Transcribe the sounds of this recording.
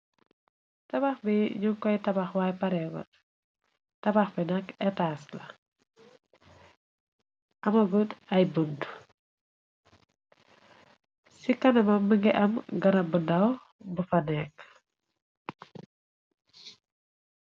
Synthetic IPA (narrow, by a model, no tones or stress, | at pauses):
tɐbaxbiɲuŋkɔjtɐbaxwaːjpɐɾɛɡɔ̰ | tɐbaxbinɐkɛtaːslɐ | ʔɐmɐɡudɐjbəndu | sikɐnɐmɐmːəŋɡɛʔɐmɡɐnɐbəndɐw | bufɐnɛk̚